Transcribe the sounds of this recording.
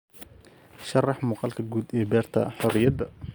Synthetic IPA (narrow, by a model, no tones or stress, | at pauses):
ʃɐrɑħmuːqɑlkʰɐɡuːd̪ijbɛːrt̪ʰɐ̰ħɔɾɪjɐd̪ɐ